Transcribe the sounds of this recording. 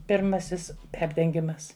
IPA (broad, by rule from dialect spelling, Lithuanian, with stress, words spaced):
pʲɪrˈmɑːsʲɪs ˈpʲɛrʲdʲɛŋʲɡʲɪmɐs